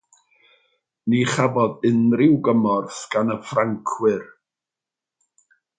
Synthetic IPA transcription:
niχavɔðɪnrɪwɡəmɔrθɡ̥anəfraŋkʰwɨr

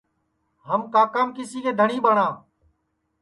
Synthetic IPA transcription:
ɦəmkaːkaːmkɪsiːkeːd̪ʱəɳiːɓəɳãː

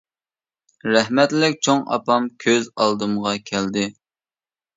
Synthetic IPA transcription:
ɾɛɦmɛt̪lɪkʲt͡ʃʰoŋɑ̰pɑmkʲʰøzɑlˠd̪ɨmʁɑkʲʰɛld̪ɪ

